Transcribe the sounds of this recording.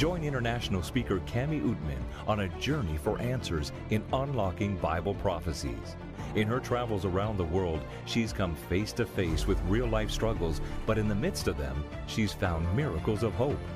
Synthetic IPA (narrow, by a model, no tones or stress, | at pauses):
d̥ʒ̥ɔ̃ɪ̃nɪ̃ɾ̃ə˞næʃn̩l̩ˠspikə˞kʰæmiʔut̚mɨ̰̃n | ʔə̃nɨd͡ʒɜ˞nifə˞ʔæ̃nsə˞z | ɨ̃nə̃nlɑkɪ̃ŋbaɪbl̩ˠpʰɹ̥ɑfɨsḭz̥ | ɨ̃nə˞tʰɹ̥ævl̩ˠzə˞ãʊ̃nðəwɜ˞lˠd̥ | ʃiz̥kʰʌ̃ɱfeɪstʰɨfeɪswɨðɹilˠaɪfstɹ̥ʌɡl̩ˠzb̥ʌɾɨ̃nðɨmɪd̥stʌvðɨ̰̃m | ʃiz̥fãʊ̃nmɪɹɨkl̩ˠzʌv̥ɦoʊp